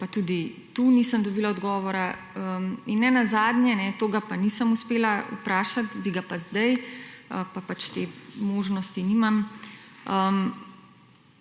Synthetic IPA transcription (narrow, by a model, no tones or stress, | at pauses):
pat̪ud̪it̪uniːsəmd̪ɔbiːlaɔd̪ɡɔːʋɔɾa | əminːɛnazaːd̪nʲjɛnɛt̪oːɡapanisəmuspeːlaṵpɾaːʃat̪biɡapazd̪ajəpapat͡ʃt̪eːmoːʒnɔst̪inimam | əm